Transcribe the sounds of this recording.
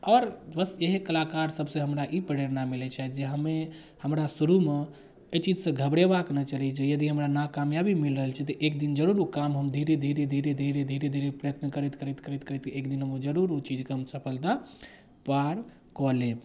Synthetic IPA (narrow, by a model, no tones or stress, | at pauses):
ɔɾbəseɦekəlakaɾsəbsẽɦəmɾaʔipəɾeɾnamilet͡ʃʰaɦɛd͡ʒeɦəme | həmɾasuɾume | ət͡ʃid͡ʒsə̃ɡʱəbɽebaknɛt͡ʃəlid͡ʒejəd̪iɦəmɾanakamjabimilɾəɦəlt͡ʃʰɛt̪ɔʔek̚d̪ind͡ʒəɾuɾukamɦəmd̪ʱiɾed̪ʱiɾed̪ʱiɾed̪ʱiɾed̪ʱiɾed̪ʱiɾepɾəjət̪nəkəɾɛt̪kəɾɛt̪kəɾɛt̪kəɾɛt̪ekd̪inɦəmud͡ʒəɾuɾut͡ʃid͡ʒkɦəmsəpʰəld̪a | paɾ | kɔle